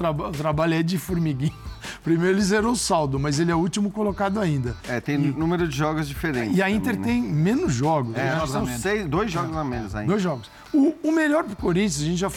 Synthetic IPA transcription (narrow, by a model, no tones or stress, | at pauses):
ɾabt̪ɾabaʎɛd͡ʒɪfuɾmiɡĩɲʊpɾimejɾʊelɪzɛɾɐ̃sawd̪ʊmɐzelɪɛʊut͡ʃimʊkolokad̪ʊaĩnd̪ɐɛt̪ẽj̃nũmeɾʊd͡ʒɪʒɔɡʊzd͡ʒifeɾẽt͡ʃɪɐĩt̪eɾt̪ẽj̃mẽnʊzʒɔɡʊsɛnɔssẽmejzd̪ojzʒɔɡʊzamẽnʊzaĩd̪ojzʒɔɡʊs | ʊːmeʎɔɾpɾʊkoɾĩnt͡ʃuzaɐʒẽnt͡ʃɪʒa